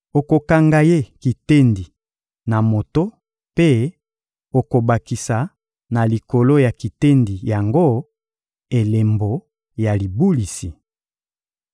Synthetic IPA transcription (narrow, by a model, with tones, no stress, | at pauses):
o˨ko˨ka˨ŋɡa˨je˦ki˨te˦ndi˨ | na˨mo˨to˦ | pe˦ | o˨ko˨ba˨ki˨sa˨ | na˨li˨ko˨lo˦ja˨ki˨te˦ndi˨ja˨ŋɡo˦ | e˨le˨mbo˨ | ja˨li˨bu˦li˨si˨